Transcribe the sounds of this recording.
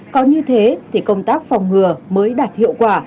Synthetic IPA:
kɔ˨˦ɲɨ˧t̪ʰe˨˦t̪ʰi˧˩kə˧wŋ͡mt̪aː˦˥k̚fɔ˨˩wŋ͡mŋɨ˨˩əməː˨˦jɗaː˨˩t̚hḭ˧˨əwkwaː˧˩

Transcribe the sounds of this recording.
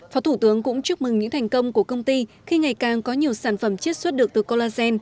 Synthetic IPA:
fɔ˨˦t̪u˧˩t̪ɨ˨˦əŋkʊ̰˧˥ŋ͡mt͡ɕɨ˦˥ək̚mɨ˨˩ŋɲɨ̰˧˥ŋt̪ʰjŋ̟kə˧wŋ͡mku˧˩əkə˧wŋ͡mt̪i˧ | xi˧ŋa˨˩jkaː˨˩ŋkɔ˨˦ɲi˨˩əwsaː˧˩nfə˧˩mt͡ɕi˦˥ət̚swə˦˥t̚ɗɨ˨˩ək̚t̪ɨ˨˩ko˧laː˧sɛ˧n

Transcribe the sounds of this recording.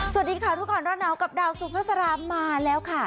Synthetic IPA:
su˨˩ə˩t̪̚diː˧kʰa˥˩t̪ʰu˦˥k̚ːɔː˨˧˩nɾɔː˥˩t̪̚na˦˥wka˨˩p̚daː˧wsuː˧˩pʰaː˥˩sa˧ɾaː˦˥maː˧lɛː˦˥wkʰa˥˩

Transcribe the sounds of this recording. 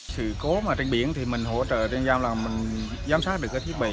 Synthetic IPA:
sɨ̰˧˨ko˨˦maː˨˩t͡ɕe˧nɓi˧˩ənt̪ʰi˨˩mï˨˩ŋ̟ɦo̰˧˥t͡ɕə̰ː˧˨t͡ɕe˧nzaː˧mlaː˨˩mï˨˩ŋ̟ | zaː˨˦msaː˦˥ɗɨ˨˩kaː˨˦t̪ʰi˦˥ɓḭ˧˨

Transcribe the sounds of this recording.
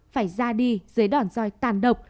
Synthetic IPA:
faː˧˩jzaː˧ɗi˧zɨː˨˦jɗɔ˧˩nzɔ˧˩jt̪aː˧˩nɗə˨˩wk͡p̚

